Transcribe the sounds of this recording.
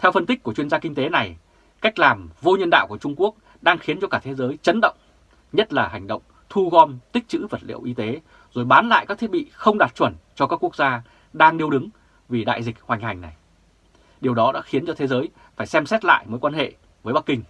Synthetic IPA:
t̪ʰɛ˧wfə˧nt̪ï˦˥k̚kːu˧˩ət͡ɕwi˧ənzaː˧ki˧ŋ̟t̪e˨˦na˨˩j | ka˦˥jk̟̚laː˨˩mvo˧ɲə˧nɗa̰ː˧˨wku˧˩ət͡ɕʊ˧ŋ͡mku˦˥ək̚ | ɗaː˧ŋxi˨˦ənt͡ɕɔ˧kaː˧˩t̪ʰe˨˦zəː˨˦jt͡ɕə˨˦nɗə̰˧˨wŋ͡m | ɲə˦˥t̚laː˨˩ha˨˩jŋ̟ɗə̰˧˨wŋ͡m | t̪ʰu˧ɣɔ˧mt̪ï˥k̚t͡ɕɨ̰˧˥və˨˩t̚lḭ˧˨əwʔi˧t̪e˨˦ | zo˨˩jɓaː˨˦nla̰ː˧˨jka˦˥k̚t̪ʰi˦˥ət̚ɓḭ˧˨xə˧wŋ͡mɗaː˨˩t̚t͡ɕwə˧˩nt͡ɕɔ˧kaː˦˥kːu˦˥k̚zaː˧ | ɗaː˧ŋɗi˧əwɗɨ˨˦ŋ | vi˨˩ɗa̰ː˧˨jzï˨˩k̟̚hwa˨˩jŋ̟ha˨˩jŋ̟na˨˩j | ɗi˨˩əwɗɔ˨˦ɗa̰ː˧˥xi˨˦nt͡ɕɔ˧t̪ʰe˨˦zəː˨˦j | faː˧˩jsɛ˧msɛ˦˥t̚la̰ː˧˨jmo˨˦jkwaː˧nhḛ˧˨ | vəː˨˦jɓa˦˥kːï˧ŋ̟

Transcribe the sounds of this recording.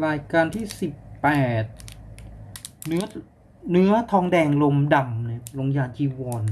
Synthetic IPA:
ɾaː˧jkaː˧nt̪ʰiː˥˩si˨˩pːɛː˨˩t̪̚ | nɯ˦˥ɐ | nɯ˦˥ɐt̪ʰɔː˧ŋdɛː˧ŋlo˧mda˧mn˧˩lo˧ŋjaː˧˩nt͡ɕʰiː˧wɔː˧n

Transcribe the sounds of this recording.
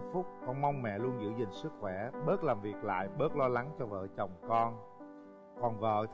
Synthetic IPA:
fʊ˦˥k͡p̚kɔ˧nma˧wŋ͡mmɛ̰˧˨lu˧ənzɨ̰˧˥zï˨˩ŋ̟sɨ˦˥k̚xwɛ˧˩ɓəː˦˥t̚laː˨˩mvi˨˩ək̚la̰ː˧˨jɓəː˦˥t̚lɔ˧la˨˦ŋt͡ɕɔ˧və̰ː˧˨t͡ɕə˨˩wŋ͡mkɔ˧n | kɔ˨˩nvə̰ː˧˨

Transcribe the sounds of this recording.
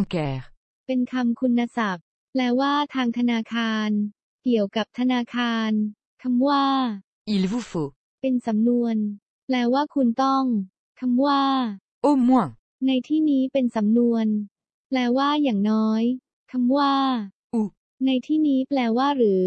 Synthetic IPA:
mkɛː˨˦ | pe˧nkʰa˧mkʰu˧nːa˧sa˨˩p̚ | plɛː˧˥waː˥˩t̪ʰaː˧ŋt̪ʰa˧naː˧kʰaː˧n | ki˨˩˦əwka˨˩p̚t̪ʰa˧naː˧kʰaː˧n | kʰa˧mwaː˥˩ | ʔi˧lvu˦˩fo˨˦ | pe˧nsa˩˦mnu˧ən | plɛː˧waː˥˩kʰu˧nt̪ɔ˥˩ŋ | kʰa˧mwaː˥˩ | ʔo˥˩mːu˥˩aː˨ | a˧jt̪ʰiː˥˩niː˦˥pe˧nsa˩˦mnu˧ən | plɛː˧waː˥˩jaː˨˩ŋnɔː˦˥j | kʰa˧mwaː˥˩ | ʔu˧˩ | na˧jt̪ʰiː˥˩niː˦˥plɛː˧waː˥˩ɾɯː˩˦

